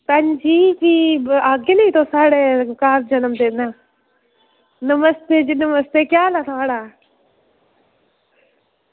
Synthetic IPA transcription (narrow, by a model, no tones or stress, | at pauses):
t̪ɐɲd͡ʒiːkiaːɡenɐit̪osaːɽekaːɾd͡ʒɐnəmt̪ena | nəməst̪eːd͡ʒinəməst̪ekjaːlaːt̪ʰaaɽaː